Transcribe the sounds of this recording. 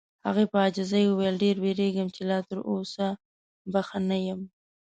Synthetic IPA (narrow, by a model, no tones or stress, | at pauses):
ha̰ɣepəɑd͡ʒɪzajəwejlɖeɾbeɾeɡəmt͡ʃelɑt̪əɾosa | baxanajəm